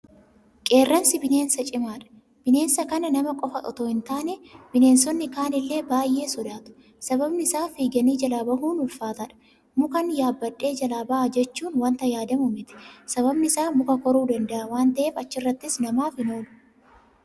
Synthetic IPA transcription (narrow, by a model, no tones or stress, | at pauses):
kʼe̞ːrːɐnsɪbɪne̞ːnsɐt͡ʃʼɪmaːᶑɐ̥ | b̥ɪne̞ːnsɐkɐnɐnɐmɐkʼɔfɐʔɔt̪o̞ːɪnt̪aːnɛbɪne̞ːnsɔnːɪkaːnɪlːeːbaːjʔe̞ːsɔd̪aːt̪ʊ̥ | sɐbɐbnɪɪsaːfiːɡɐniːd͡ʒɐlaːbɐɦuːnʊlfaːt̪ɐᶑɐ̥ | mʊkɐnjaːbːɐᶑʼːe̞ːd͡ʒɐlaːbɐʔɐd͡ʒɛt͡ʃːuːnwɐnt̪ɐjaːd̪ɐmʊmɪt̪ɪ̥sɐβɐbnɪɪsaːmʊkɐkɔɾuːd̪ɐnd̪ɐʔɐwaːnt̪ɐʔe̞ːfɐt͡ʃːɪrːɐt̪ːɪsnɐmaːfɪno̞ːlʊ̥